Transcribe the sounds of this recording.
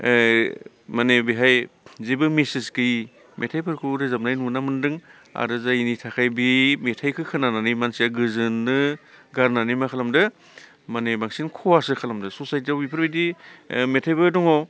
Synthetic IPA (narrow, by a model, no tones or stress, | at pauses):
manebiɦajzebɯmesiskɯj | mʔetʰajpʰɯɾkʰɯɾɯzamp̚najnunamɯndɯŋ | a̰ɾɯzainitʰakʰajbimetʰajkʰɯkʰɯnananimansijaɡɯzɯnːɯɡaɾnanimakʰalamdɯ | manebaŋsinkʰɔwasɯkʰalamdɯsosajt̬iawbipʰɯɾbajdimetʰajpɯdɔŋɔ